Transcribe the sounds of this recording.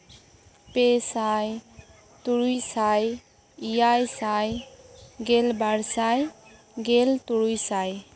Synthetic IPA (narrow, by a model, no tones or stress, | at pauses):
pesaj | t̪uɾujsaj | ijajsaj | ɡelbaɾsaj | ɡelt̪uɾujsaj